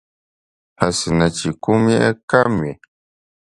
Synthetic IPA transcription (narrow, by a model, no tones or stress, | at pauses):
asɨnat͡ʃikumɛʔɛkamɥe